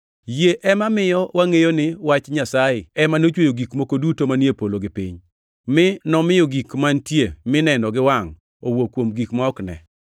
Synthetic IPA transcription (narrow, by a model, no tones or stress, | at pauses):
jeʔɛmamɪjɔwaŋejonɪwat͡ʃɲasaɪɛmanot͡ʃwojoɡikmokodutomanjepoloɡɪpḭɲ | mɪnɔmɪjoɡikmantjemɪnɛnɔɡɪwaŋ | owokːwomɡikmɔɔknɛ̰